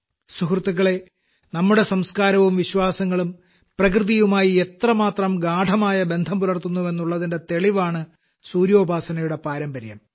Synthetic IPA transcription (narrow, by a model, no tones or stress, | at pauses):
sukrɨt̪ːuɣɐɭe̞ | nɐmːuɽe̞sɐmskaːɾɐʋumʋiɕwaːsɐŋːɐɭum | prɐkrɨðijumaːjiet̪rɐmaːt̪rɐmɡaːɖʱɐmaːjɐbe̞nd̪ʱɐmpuɾɐrt̪unːue̞nːuɭːɐðinde̞t̪e̞ɭiʋaːɳɨ | suːɾjo̞ːbʱaːsɐnɐjuɽe̞paːɾɐmbɐɾjɐ̰m